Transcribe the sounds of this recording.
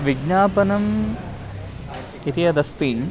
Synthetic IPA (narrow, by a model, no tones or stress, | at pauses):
ʋiɡnaːpɐnɐm | it̪ijɐd̪ɐst̪iːm